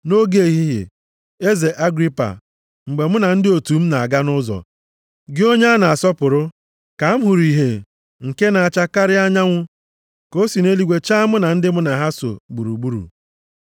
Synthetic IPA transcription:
no˦ɡe˦˨ɦi˦ɦḛ˨ | e˦ze˨ʔa˦ɡɾi˦pa̰˨ | ŋ͡m̩˨ɡ͡be˨mʊ˦na˨n̩˦dɪ˦o˨tu˨m̩˦na˨a˨ɡa˦nʊ˦zɔ̰˨ | ɡɪ˦o˦ɲe˦a˦na˨a˨sɔ˦pʊ˨ɾʊ˦ | ka˨m̩˦ɦu˨ɾi˨ɦe˨ | ŋ̩˨ke˦na˨a˨t͡ʃa˦ka˦ɾɪ˦a˦ɲa˦ŋʷʊ˦ | ko˦si˨ne˦li˨ɡʷe˨t͡ʃa˦mʊ˦na˨n̩˦dɪ˦mʊ˦na˨ɦa˦so̰˨ɡ͡bu˨ɾṵ˨ɡ͡bu˦ɾṵ˨

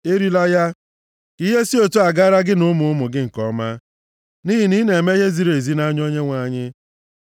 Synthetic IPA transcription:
e˦ɾi˦la˦ja˦ | ki˦ɦe˦si˦o˨tu˦a˨ɡaː˦ɾa˦ɡɪ˦nʊ˦mʊ˨ʊ˦mʊ˨ɡɪ˦ŋ̩˨kɔ˨˦ma˦ | ni˦ɦi˨ni˦ne˨e˨me˦ɦe˦zi˨ɾe˨zi˦na˦ɲ˦o˦ɲe˦ŋʷa˨˦ɲɪ˦

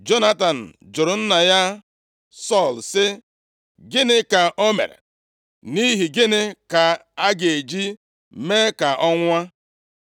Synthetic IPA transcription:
d͡ʒo˦na˦ta˨n̩˨d͡ʒʊ˨ɾʊ˨n̩˦na˨ja˦ | sɔ˦˨lsɪ˦ | ɡɪ˦nɪ˦ka˨ʔo˦mḛ˨ɾḛ˨ | ni˦ɦi˨ɡɪ˦nɪ˦ka˨a˦ɡe˨d͡ʒi˦ | me˦ka˨ʔɔ˦ŋʷa˦

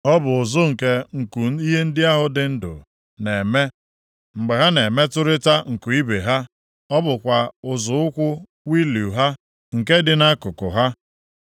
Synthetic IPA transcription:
ɔ˦bʊ˨ʊ˨zʊ˦ŋ̩˨ke˦ŋ̩˨ku˨i˦ɦe˦n̩˦dɪ˦a˦ɦʊ˦dɪ˨n̩˦dʊ̰˨ | ne˨me˦ | ŋ͡m̩˨ɡ͡be˨ɦa˦ne˨me˦tʊ˦ɾɪ˦ta˦ŋ̩˨ku˨i˦be˨ɦa˦ | ɔ˦bʊ˨kʷa˨ʊ˨zʊ˨ʊ˦kʷʊ˦ | wi˦lu˨ɦa˦ | ŋ̩˨ke˦dɪ˨na˦kʊ˨kʊ̰˨ɦa˦

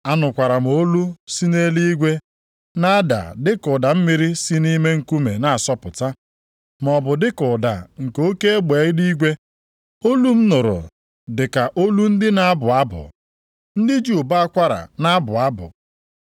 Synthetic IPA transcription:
a˦nʊ˨kʷa˨ɾa˨m̩˨o˦lu˦si˦ne˦li˦i˦ɡʷe˦ | na˦da̰˨dɪ˦kʊ˨da˨m̩˦mi˦ɾi˦si˦ni˦me˦ŋ̩˨ku˦me˨na˨sɔ˦pʊ˨ta˦ | m˨ɔ˨bʊ˨dɪ˦kʊ˨da̰˨ŋ̩˨ko˦ke˦e˦ɡ͡be˨˦ɪ˦di˦ɡʷe˦ | o˦lu˦m̩˦nʊ˨ɾʊ̰˨ | dɪ˨ka˨ʔo˦lu˦n̩˦dɪ˦na˦bʊ˨a˦bʊ̰˨ | n̩˦dɪ˦d͡ʒu˦˨ba˦a˦kʷa˦ɾa̰˨na˦bʊ˨a˦bʊ̰˨

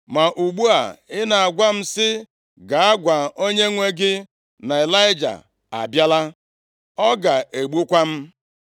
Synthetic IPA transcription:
ma˨ʔu˨ɡ͡bu˦a̰˨ɪ˦na˨a˨ɡʷa˦m̩˦sɪ˦ | ɡa˨a˦ɡʷa˨o˦ɲe˦ŋʷe˦ɡɪ˦ | na˨e˨la˦ɪ˦d͡ʒa̰˨ | a̰˨bja˦la˦ | ɔ˦ɡa˨ʔe˨ɡ͡bu˦kʷa˦m̩˦

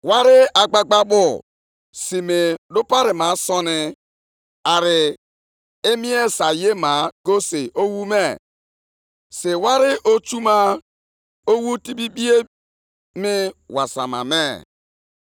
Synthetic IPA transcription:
wa˦ɾɪ˦a˨ɡ͡ba˦ɡ͡ba˦bʊ˦˨ | si˨me˨dʊ˦pa˦ɾɪ˨ma˨sɔ˦nɪ˦ | a˨ɾɪ˨ | e˦mi˦e˦sa˨je˦ma˨˦ɡo˦se˨ʔo˦wu˦me˦˨ | se˨wa˦ɾɪ˦ʔo˦t͡ʃu˦ma˦ | o˦wu˦ti˦bi˦bi˦e˦ | mɪ˦wa˨sa̰˨ma̰˨me˦˨

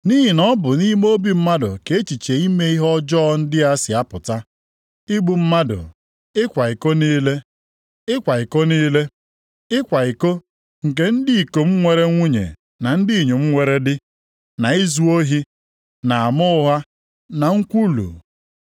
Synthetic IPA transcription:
ni˦ɦi˨nɔ˦bʊ˨ni˦m˦o˦bi˨˦m̩˦ma˦dʊ̰˨ke˨e˦t͡ʃi˨t͡ʃe˨i˦me˦i˦ɦɔ˦d͡ʒɔ˦n̩˦dɪ˦a˦sɪ˨a˦pʊ˨ta˦ | i˦ɡ͡bu˨m̩˦ma˦dʊ̰˨ | ɪ˦kʷa˨i˨ko˦niː˦le˦ | ɪ˦kʷa˨i˨ko˦niː˦le˦ | ɪ˦kʷa˨i˨ko˦ | ŋ̩˨k̬e˦n̩˦dɪ˦i˨ko˨m̩˦ŋʷe˨ɾe˦ŋʷu˦ɲḛ˨ | na˨n̩˦di˦i˨ɲu˨m̩˦ŋʷe˨ɾe˦dɪ˦ | na˨i˦zu˦o˦ɦi˦ | na˨a˨mʊ˦ʊ˦ɦa˦ | na˨ŋ̩˦kʷu˦lṵ˨

